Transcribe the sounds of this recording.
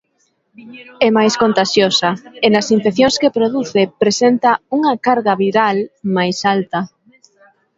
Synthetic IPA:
ɛmajskont̪aʃjosaenasiɱfeθjoŋskepɾoðuθepɾesent̪auŋakaɾɣaβiɾalmajsalt̪a

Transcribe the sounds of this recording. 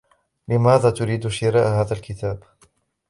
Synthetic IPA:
lɪmaːðaːt̪ʊɾiːd̪ʃɪɾaːʔhaːðalkɪt̪aːb

